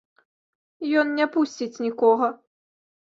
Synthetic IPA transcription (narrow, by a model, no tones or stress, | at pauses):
jɔnnʲɛpusʲt͡sʲit͡sʲnʲikɔɣɐ